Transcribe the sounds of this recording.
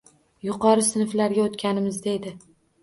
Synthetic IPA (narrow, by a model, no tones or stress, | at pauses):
jʊqʰɒɾɪsɪnflaɾɡʲaot̪kʲanɪmɪzd̪e̞d̪ɪ